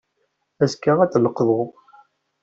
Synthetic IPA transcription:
æskːaʁæt͡sːləqːðˤo

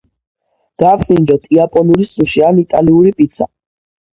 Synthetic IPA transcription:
d̪̥aɾsind͡ʒɔt̪ʰiapʼɔnuɾissʼuʃianit̪ʼa̰liuɾipʼit̪sʰa̰

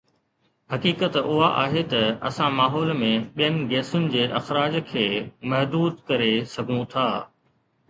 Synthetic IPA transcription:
hɐkiːkət̪ʊɦaʔa̰ːɦet̪ɐɐ̰sãmaːɦɔːlmẽɓijənɪ̆ɡeːsʊnɪ̆d͡ʑeːʔɐxɾaːd͡ʑkʰeːmɐɦd̪uːd̪kɐɾesɐɡʱũt̪ʰaː

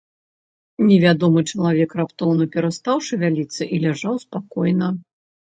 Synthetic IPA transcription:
nʲɛvʲad̪ɔmɨt͡ʂɐlˠavʲɛkrapt̪ɔwnɐpʲɛɾast̪awʂɨvʲalʲit̪sːɨʔilʲaʐawspakɔjnɐ

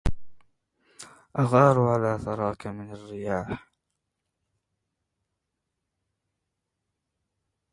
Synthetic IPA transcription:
ʔaɣɑːɾˤʕalaːθɑɾˤɑːkamɪnarːɪjaːħ

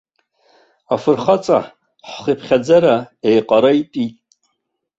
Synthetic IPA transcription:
afɨrχat͡sʼa̰ħ | ħʷχipʰχʲad͡zaɾaejqʼaɾaitʼitʼ

